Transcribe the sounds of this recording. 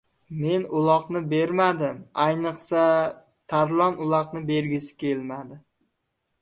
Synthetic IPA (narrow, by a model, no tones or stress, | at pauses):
me̞nʊlˠɒqnɪbe̞ɾmad̪ɪmajnɨqsa | t̪ʰaɾlˠɒnʊlˠɒqnɪbe̞ɾɡʲɪsɪ̥kʲʰe̞lmad̪ɪ